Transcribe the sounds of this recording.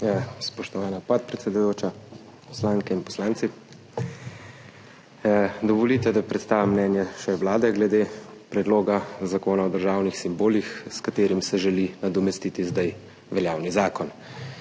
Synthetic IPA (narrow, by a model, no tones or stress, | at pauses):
spɔʃt̪ɔʋaːnapɔt̪̚pɾɛt̪sɛd̪ujoːt͡ʃa | pɔslaːŋkɛinpɔ̥slaːnt̪si | d̪ɔʋɔlit̪ɛd̪apɾɛt̪st̪aːʋʲjamːnɛnjɛʃɛʋlaːd̪ɛɡlɛd̪eːpɾɛd̪loːɡazakoːnaɔd̪əɾʒaːwnixsimboːlixskat̪eːɾimsɛʒɛlinad̪ɔmɛst̪it̪izd̪aj | ʋɛljaːwnizaːkɔn